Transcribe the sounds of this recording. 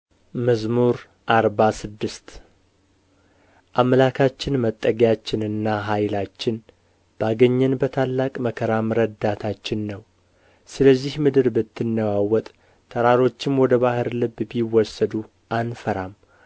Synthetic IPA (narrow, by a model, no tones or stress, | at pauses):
məzmuɾ | ʔaɾbasɨd̪ːɨst̪ | ʔaməlakʰat͡ʃːɪnmət̪ʼːəɡjat͡ʃːɪnɨnːaɦajlat͡ʃːɪn | b̥aɡəɲːɛnbət̪ʰalːakʼməkʰəɾamɨɾəd̪at̪ʰat͡ʃːɪnːəw | sɨləzːihmɨd̪ɨɾbɨt̪ʰːɨnːəwawɔt̪ʼ | t̪ʰəɾaɾo̞t͡ʃːɪmwɔd̪əbahɨɾlɨbbiwɔsːəd̪u | ʔanfəɾam